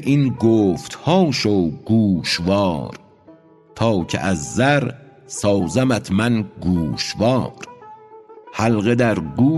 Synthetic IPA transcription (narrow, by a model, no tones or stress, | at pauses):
ʔinɡoːft̪hɒːʃoɡuːʃvɒːɾ | t̪ʰɒːcʰḛʔæzːæɾsɒːwzæmæt̪ʰmænɡuːʃvɒːɾ | hælɣed̪æɾɡuː